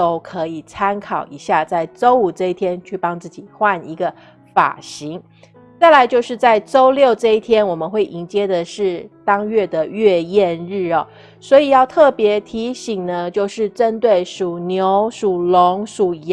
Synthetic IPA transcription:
to˥ʊkʰɤ˧˥i˨˩t͡sʰa˥nkʰɑ˨˩ʊi˧˥ɕja˥˧t͡sa˥˩ɪʈ͡ʂo˥ʊu˨˩ʈ͡ʂɤ˥˧i˥˩t̪ʰjɛ˥nt͡ɕʰy˥˩pɑ˥ŋt͡sɹ̩˥˩t͡ɕi˨˩xwa˥˩ni˧˥ɡə˧ | fa̰˨˩ɕi˧˥ŋ | t͡sa˥˩ɪla˧˥ɪt͡ɕjo˥˧ʊʂɻ̩˥˧t͡sa˥˩ɪʈ͡ʂo˥ʊljo˥˧ʊʈ͡ʂɤ˥˧i˥˩t̪ʰjɛ˥nwɔ˨˩mə˨˦nxwe˥˩ɪʔi˧˥ŋt͡ɕjɛ˥d̪ə˨ʂɻ̩˥˩t̪ɑ˥ŋɥɛ˥˩d̪ə˩ɥɛ˥˧jɛ˥˧nɻɻ̩˥˩ɐ˨˩ | swɔ˧˥i˨˩jɑ˥˧ʊt̪ʰɤ˥˩pjɛ˧˥t̪ʰi˧˥ɕi˨˩ŋnə˦t͡ɕjo˥˧ʊʂɻ̩˥˩ʈ͡ʂə˥nt̪we˥˩ɪʂu˨˩njo˧˥ʊʂu˨˩lo˧˥ŋʂu˨˩˨

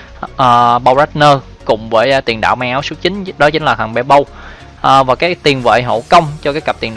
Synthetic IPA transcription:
ʔəː˨˩ɓa˧wza˦˥t̚nəː˧ | kʊ̰˧˩ŋ͡mvəː˨˦jt̪i˨˩nɗa̰ː˧˨wmaː˧ŋʔaː˨˦wsɨ˨˦˥t͡ɕï˨˦ŋ̟ɗɔ˨˦t͡ɕï˨˦ŋ̟laː˨˩xaː˧˩nɓɛ˧˩ɓə˧w | ʔːvaː˨˩kaː˨˦˥jt̪i˨˩ənvə̰ː˧˨jɦo̰˧˩kə˧wŋ͡mt͡ɕɔ˧kaː˨˦jka˨˩p̚t̪i˨˩ə˩ɗ

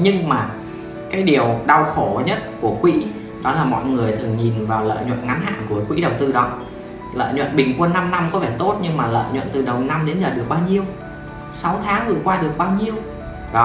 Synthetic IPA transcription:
ɲɨ˧ŋmaː˨˩ | kaː˨˦jɗi˨˩əwɗa˧wxo˧˩ɲə˦˥t̚ku˧˩əkwḭ˧˥ | ɗɔ˨˦laː˨˩mɔ̰˧˨jŋɨ˨˩əjt̪ʰɨ˨˩əŋɲi˨˩nvaː˨˩wlə̰ː˧˨jɲwə̰˧˨nŋa˨˦nɦa̰ː˧˨nku˧˩əkwḭ˧˥ɗə˨˩wt̪ɨ˧ɗɔ˨˦ | lə̰ː˧˨jɲwə̰˧˨nɓï˨˩ŋkwə˧nːa˧mna˧mkɔ˨˦vɛː˧˩t̪o˦˥t̚ɲɨ˧ŋmaː˨˩lə̰ː˧˨jɲwə̰˧˨nt̪ɨ˨˩ɗə˨˩wna˧mɗe˨˦nzəː˨˩ɗɨ˨˩ək̚ɓaː˧wɲi˧əw | sa˨˦wt̪ʰaː˨˦ŋvɨ˨˩əjkwaː˧ɗɨ˨˩ək̚ɓaː˧wɲi˧əw | ɗɔ˨˦

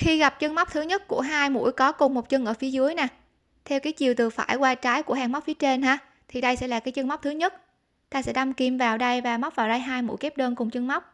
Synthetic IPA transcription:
xi˧ɣa˨˩p̚t͡ɕə˧nma˦˥wk͡p̚t̪ʰɨ˨˦ɲə˦˥t̚ku˧˩əɦaː˧jmṵ˧˥jkɔ˨˦kʊ˨˩ŋ͡mmo˨˩t̚t͡ɕə˧ŋʔəː˧˩fi˨˦əzɨ˨˦əjna˨˩ | t̪ʰɛ˧wkaː˨˦jt͡ɕi˨˩əwt̪ɨ˨˩fa̰ː˧˩jkwaː˧t͡ɕaː˨˦jku˧˩əhaː˨˩ŋma˦˥k͡p̚fi˨˦ət͡ɕe˧nɦaː˧ | t̪ʰi˨˩ɗə˧jsɛ̰˧˥laː˨˩kaː˨˦jt͡ɕə˧ŋma˦˥k͡p̚t̪ɨ˨˦ɲə˦˥t̚ | t̪aː˧sɛ̰˧˥ɗa˧mki˨˩mvaː˨˩wɗə˧jvaː˨˩ma˦˥k͡p̚vaː˨˩wɗə˧jɦaː˧jmṵ˧˥jkɛ˦˥p̚ɗəː˧nkʊ˨˩ŋ͡mt͡ɕə˧ŋma˦˥wk͡p̚

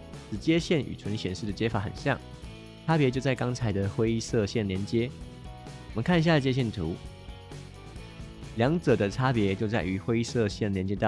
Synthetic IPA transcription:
ʂɻ̩˨˩t͡ɕjɛ˥ɕjɛ˥˩ny̰˨˩t͡sʰə˧˥n˧ɕjɛ˨˩nʂɻ̩˥˩d̪ə˩t͡ɕjɛ˥fa˧˥xə̰˨˩nɕjɑ̰˥˩ŋ | ʈ͡ʂʰa˥pjɛ˧t͡ɕjo˥˧ʊt͡sa˥˩ɪkɑ˥ŋt͡sʰa˧˥ɪd̪ə˨xwe˥ɪi˥˧sɤ˥˧ɕjɛ˥˩nljɛ˧˦nt͡ɕjɛ˥ | wɔ˨˩mə˦nkʰa˥˩n˧˩ɕja˥˧˩ə˨t͡ɕjɛ˥ɕ̬jɛ˥˩nt̪ʰu˧˥˦ | ljɑ˧˦ŋʈ͡ʂɤ˨˩d̪ə˦ʈ͡ʂʰa˥pjɛ˧˦t͡ɕjo˥˧ʊt͡sa˥˩ɪy˧˥xwe˥ɪi˥sɤ˥˧ɕjɛ˥˩n˨ljɛ˧˦nt͡ɕjɛ˥t̪ɑ˥˨

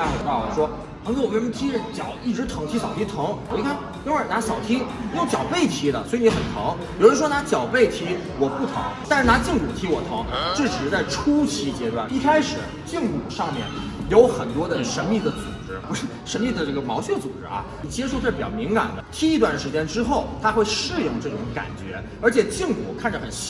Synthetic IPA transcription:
a˥xt̪ɑ˥˩ʊə˨˩ʂwɔ˥ | pʰŋʰ˥˩wme˥˧˥t̪ʰi˧˥˧t͡ɕjɑ˨˩ʊi˥˩ʈ͡ʂɻ̩˧˥t̪ʰɤ˧˥ŋt̪ʰi˧˥ɕjɑ˨˩ʊt̪ʰi˥t̪ʰɤ˧˥ŋ˨˩i˧˥kʰa˥˩n | i˥nwa˥˩na˧˥ɕɑ˨˩ʊt̪ʰi˥i˧jo˥˩ʊt͡ɕjɑ˨˩ʊpe˥˩ɪt̪ʰi˧˥d̪ə̰˨swɔ˧˥i˧ni˧˥xə˨˩nt̪ʰɤ̰˧˥ŋpi˨˩u˥ʂwɔ˥a˧˥t͡ɕjɑ˨˩ʊpe˥˩ɪt̪ʰi˧˥ | wɔ˨˩pu˥˩t̪ʰɤ̰˧˥ŋt̪a˥˧nʂɻ̩˥˧˩na˧˥t͡ɕi˥˩ŋku˨˩t̪ʰi˧˥wɔ˨˩t̪ʰɤ˧˥ŋʈ͡ʂ̩˥˩ʈ͡ʂɻ̩˨˧˥t͡sa˥˩ɪʈ͡ʂʰu˥t͡ɕʰi˧˥t͡ɕjɛ˧˥t̪wa̰˥˩ni˥˧kʰa˥ɪʂɻ̩˨˩˦ | t͡ɕi˥˩˧ŋku˨˩ʂɑ˥˧ŋmjɛ̰˥˩n | jo˧˥ʊxə˨˩nt̪wɔ˥d̪ə˨ʂə˧˥nmi˥˩d̪ə˩t͡sṵ˨˩˨ʈ͡ʂɻ̩˥pu˧˥ʂ̩˥˩ʂə˧˥nmi˥˩d̪ə˩ʈ͡ʂɤ˥˩ɡə˩mɑ˧˥ʊɕɥɛ˥˩t͡sṵ˨˩ʈ͡ʂɻ̩˥ɐ̰˧˩i˨˩t͡ɕi˧ɛ˥˧ʂo˥˧˥pi˨˩t͡ɕjɑ˥˩mi˧˥ŋka̰˨˩nd̪ə˦t̪ʰi˥i˥t̪wa˥˩nd̪ə˩ʂɻ̩˧˥t͡ɕjɛ˥nʈ͡ʂɻ̩˥xo˥˩ʊt̪ʰa˥xwe˥˧ɪʂɻ̩˥˧jʊ˥˧ŋʈ͡ʂɤ˥˧i˥˩ʊ˧˥ŋka̰˨˩nt͡ɕɥɛ̰˧˥ | ə˞˧˥t͡ɕʰjɛ˨˩t͡ɕi˥˩ŋkṵ˨˩kʰa˥˩nʈ͡ʂə˩xə˨˩n˥

